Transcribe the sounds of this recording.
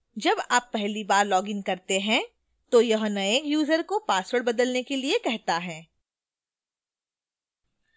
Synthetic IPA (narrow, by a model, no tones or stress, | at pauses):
d͡ʒɐbaːpːɛɦlibaːɾlɔːɡɪ̃ŋɡkɐɾt̪eɦɛ̃ | t̪ojɐɦnɐeːkjuːzəɾkopaːswəɽbɐd̪əlnekeliekɛɦt̪aɦɛ̃ː